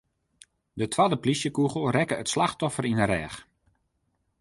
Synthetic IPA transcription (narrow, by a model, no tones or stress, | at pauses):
dətʰwadəplisjəkuɣəl̩ˠrɛkəətslaxtɔfəɾinəɾɛːx